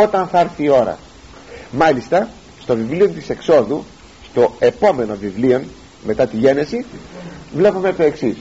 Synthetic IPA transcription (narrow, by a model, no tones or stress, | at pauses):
o̞t̪ɐnθɐɐɾθiːo̞ɾɐ̰ | mɐlist̪ɐ | st̪o̞vivlio̞nt̪ise̞kso̞ðu | st̪o̞e̞po̞me̞no̞vivlio̞n | me̞t̪ɐt̪iʝe̞ne̞si | vle̞pumet̪o̞e̞ksis